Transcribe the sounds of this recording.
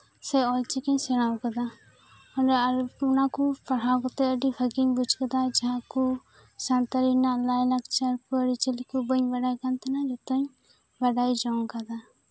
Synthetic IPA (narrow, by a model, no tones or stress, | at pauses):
sɛɔlt͡ʃikəɲsɛɽ̃awkad̪a | ɔnɖɾunakupaɽawkɔt̪ɛəɖibʱəɡiɲbud͡ʒkad̪ad͡ʒaɦãku | sant̪əɾinalajlakt͡ʃaɾpəɽit͡ʃəlikubəɲbaɖajkant̪ɛnad͡ʒɔt̪ɔɲ | baɖajd͡ʒɔŋkad̪a